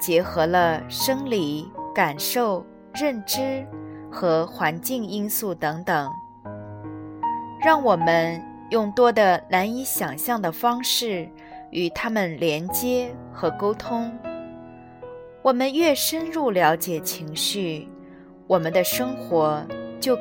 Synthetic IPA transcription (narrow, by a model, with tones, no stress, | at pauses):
t͡ɕjɛ˧˥xɤ˧˥lə˧ʂɤ˥ŋli˨˩˦ka˨˩nʂo˥˩ʊ | ɻə˥˩nʈ͡ʂɻ̩˥xɤ˧˥xwa˧˥nt͡ɕi˥˩ŋi˥nsu˥˩t̪ɤ˧˥ŋt̪ɤ˨˩˦ŋ | ɻɑ˥˩ŋwɔ˨˩mə˦n | jʊ˥˩ŋt̪wɔ˥d̪ə˨na˧˥ni˧˥ɕjɑ˨˩ŋɕjɑ˥˩ŋd̪ə˩fɑ˥ŋʂɻ̩˥˩ | y˨˩t̪ʰa˥mə˨˩nljɛ˧˥nt͡ɕjɛ˥xɤ˧˥ko˥ʊt̪ʰʊ˥ŋ | wɔ˨˩mə˦nɥɛ˥˩ʂə˥nɻu˥˩ljɑ˧˥ʊt͡ɕjɛ˨˩t͡ɕʰi˧˥ŋɕy˥˩ | wɔ˨˩mə˦nd̪ə˧ʂɤ˥ŋxwɔ˧˥t͡ɕjo˥˩ʊ